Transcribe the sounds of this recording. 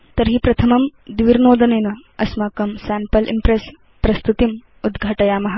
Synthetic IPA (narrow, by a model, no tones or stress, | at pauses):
t̪ɐɾɦipɾɐt̪ʰɐmɐmd̪ʋiɾnoːd̪ɐneːnɐɐsmaːkɐmsæːmpɐlʔḭmpɾes | pɾɐst̪ut̪im | ud̪ɡʱɐʈɐjaːmɐɦɐ